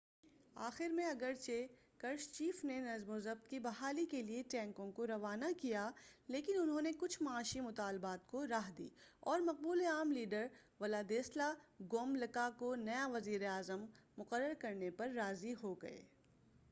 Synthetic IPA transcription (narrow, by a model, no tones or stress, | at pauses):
aːxɪɾmẽɐɡəɾt͡ʃe | kɐɾʃt͡ʃiːfnenɐzmʊzəb̚t̪kibɐɦaːlikelieʈɛ̃ːŋkõkoɾɐʋaːnakijaleːkɪnʊnɦõnekʊt͡ʃʰmɐaːʃimʊt̪aːlbaːt̪̚koɾaːɦd̪ḭːɔːɾmɐq̚buːleaːmliːɖəɾʋɐlaːd̪eːslaɡoːmlɐkakonɐjaʋɐziːɾeaːzəmːʊqəɾːəɾkɐɾnepɐɾːaːziɦoɡɐ̰ḛː